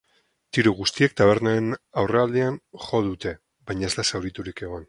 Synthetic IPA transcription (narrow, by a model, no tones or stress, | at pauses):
t̪iɾuɣust̪iek̚t̪aβ̞e̞ɾnaenawre̞ald̪ianxo̞ðut̪e̞ | bajɲae̞zlasawɾit̪uɾike̞ɣ̞o̞n